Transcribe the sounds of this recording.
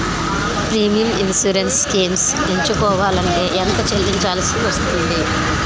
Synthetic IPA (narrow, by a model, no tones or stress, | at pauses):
pɾiːmijɐminsuɾenskiːms | eɲt͡ʃukɔːʋaːlɐɳʈe̞ːʔɛnt̪ɐt͡ʃelːiɲt͡ʃaːlɐsiʋɐst̪und̪i